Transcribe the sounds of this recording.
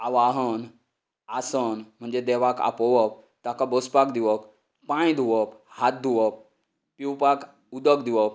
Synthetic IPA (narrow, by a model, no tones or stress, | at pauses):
aʋaɦən | asənm̤əɳd͡zed̪ɛʋaka̰pɔʋəp̚ | t̪akabəspakd̪iʋək | pãĩd̪ʱuʋəphat̪̚d̪ʱuʋəp̚ | piwpak | ud̪əkd̪iʋəp